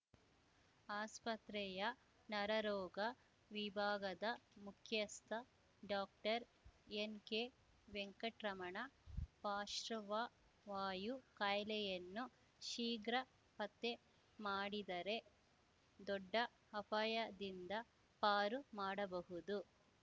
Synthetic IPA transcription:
aːspɐt̪ɾɛjɐ | nɐɾɐɾɔːɡɐ | ʋibʱaːɡɐd̪ɐmukʰjɐst̪ʰɐ | ɖaːk̚ʈɐɾenke | ʋeŋkɐʈɾɐmɐɳɐpaːʃɾɐʋɐ | ʋaːjukɐjlɛjɐnːu | ʃiːɡɾɐ | pɐt̪ːe | maːɽid̪ɐɾe̞ | d̪ɔɖːɐː | pɐjɐd̪ind̪ɐ | paːɾumaːɽɐbɐɦud̪u

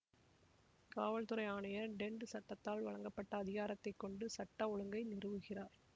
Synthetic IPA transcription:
kaːʋɐɭt̪ɯɾɐɪjaːɳɐjɐɖɛɳɖɯsɐʈːɐt̪ːaːlʋɐɻɐŋɡɐpːɐʈːɐːðɪɣaːɾɐt̪ːɐɪkːɔɳɖɯsɐʈːɐɔɭɯŋɡɐɪnɪrɯʋɯɣɪraːɾ

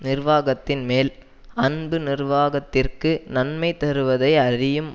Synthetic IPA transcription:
nɪrʋaːɣɐt̪ːɪnmeːl | ɐnbɯnɪrʋaːɣɐt̪ːɪrkɯnɐnmɐɪt̪ɐɾɯʋɐðɐɪɐɾɪjɯm

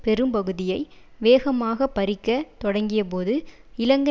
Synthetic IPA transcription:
pɛɾɯmpɐɣɯðɪjɐɪ | ʋeːɣɐmaːɣɐpɐɾɪkːɐt̪ɔɽɐŋɡɪjɐp̬oːðɯ | ɪlɐŋɡɐ

